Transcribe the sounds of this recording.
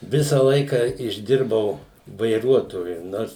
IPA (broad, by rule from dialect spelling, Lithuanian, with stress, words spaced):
ˈʋʲɪsɐ ˈlˠɐɪkɐ ɪʒʲˈdʲɪrbɐʊ ʋɐɪˈruɔtoːjʊ ˈnoːrs